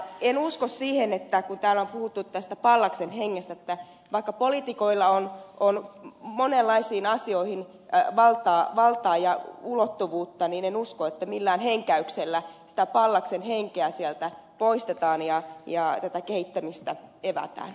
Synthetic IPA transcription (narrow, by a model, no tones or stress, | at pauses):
enuskossiːhenet̪ːækunt̪æːlompuhut̪ːut̪æst̪æpɑlːɑksenheŋːest̪æet̪ːæ | ʋɑikːɑpolit̪ikoilːɑononmonelːɑisiːnɑsioihin | ʋɑlt̪ɑːʋɑlt̪ɑːjɑulot̪ːuʋuːt̪ːɑniːnenuskoet̪ːæmilːæːnheŋkæykselːæsi̥t̪æpɑlːɑksenheŋkeæsiælt̪æ | poist̪et̪ɑːnjɑjɑt̪æt̪ækeit̪ːæmist̪æeʋæ̰t̪æ̰ːn